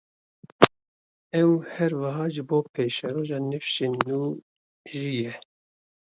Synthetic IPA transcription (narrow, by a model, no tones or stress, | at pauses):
ɛwhɛɾwɑɦɑːʒɨboːpʰeːʃɛɾoːʒɑːnɨfʃeːnːuː | ʒiːjɛ